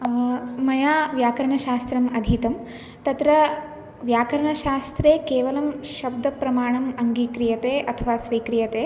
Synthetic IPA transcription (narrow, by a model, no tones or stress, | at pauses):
mɐjaːʋjaːkɐɾɐɳɐʃaːst̪ɾɐmɐd̪ʱit̪ɐm | t̪ɐt̪ɾɐ | ʋjaːkɐɾɐɳɐʃaːst̪ɾeːkeːʋɐlɐmʃɐbd̪ʱɐpɾɐmaːɳɐmɐŋɡiːkɾijɐt̪eːʔɐt̪ʰɐʋaːsʋiːkɾijɐt̪eː